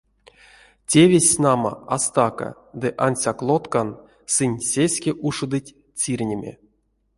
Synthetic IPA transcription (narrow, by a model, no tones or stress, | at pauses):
tʲevʲesʲnama̰ast̪aka̰ | d̪ɨʔansʲaklˠot̪kan | sɨnʲsʲesʲkʲeʔuʂɨd̪ɨtʲ | t͡sʲirʲnʲemʲḛ